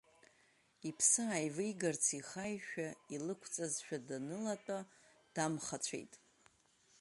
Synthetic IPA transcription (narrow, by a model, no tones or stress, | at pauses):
ipʰsɨajvɨjɡart͡sʰiχajʃᶣailɨkʷʰt͡sʼazʃᶣadanɨlatʷʼa | d̥amχat͡ɕʷʰḛjtʼ